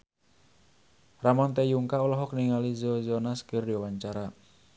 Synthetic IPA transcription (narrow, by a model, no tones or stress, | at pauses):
ramɔnt̪ejuŋkaulɔɦɔkniŋalizɔzɔnaskərdiwawaɲt͡ʃaɾa